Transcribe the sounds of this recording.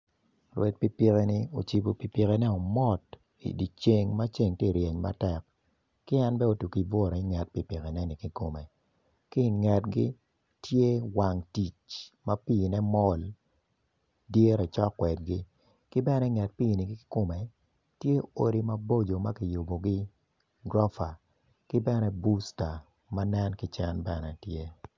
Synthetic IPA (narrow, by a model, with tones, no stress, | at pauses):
ɾwɛ˨t̚pi˨pi˦ke˦nɪ˦o˨t͡ʃi˨bo˨pi˨pi˨kɛ˦nɛ˦ɔ˨mɔ˦t | ḭ˨di˨t͡ʃe˨ŋma˦t͡ʃe˦ŋtje˦˨ɾjɛ˨ɲma̰˦tɛ˨k̚ | kɪ˦ɛ˦nbɛ˦o˨tu˨ki˨bɔ˦ɾɔ˨i˦ŋɛ˨t̚pi˨pi˨kɛ˨nɛ˦nɪ˨ki˦ko˨me˨ | ki˦˨ŋɛ˨tɡi˦ | tje˦wa˨ŋti˨t͡ʃma˦piː˦˨nɛ˦mɔ˦l | dje˦ɾɛ˨t͡ʃɔ˦kːwɛ˨dɡɪ˦ | kɪ˦bɛ˦nɛ˦ŋɛ˨t̚piː˦˨ni˨ɡi˦kɪ̥˦ko˦me˨ | tje˦o˨ɾi˨ma˦bo˦d͡ʒo˨ma˦ki˨ju˨bo˨ɡɪ˦ | ɡɾɔ˦fa˨ | kɪ˦bɛ˦nɛ˦bu˦sta˨ | manɛ˦nkɪ˦t͡ʃɛ˦nbɛ˦nɛ˨tje˦